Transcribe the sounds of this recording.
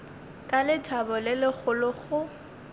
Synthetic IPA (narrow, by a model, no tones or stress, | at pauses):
kʼalɪtʰabɔlɪlɪk͡xʊlʊχʊ